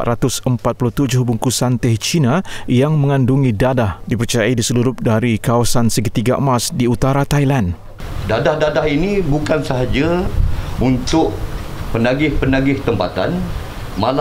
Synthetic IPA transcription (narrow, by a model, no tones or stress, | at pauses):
t̪ɾat̪ʊsəmpat̪̚puluht̪ud͡ʒʊhbuŋkusant̪ɛht͡ʃinajaŋməŋanduŋidadahdipərt͡ʃajaidisəluɾʊp̚daɾikawasansəɡət̪iɡa̰masdiut̪aɾat̪ajlan | dadahdadahinibukansəɦad͡ʒa | unt̪ʊʔ | pənaɡɪhpənaɡɪht̪əmpat̪a̰n | mal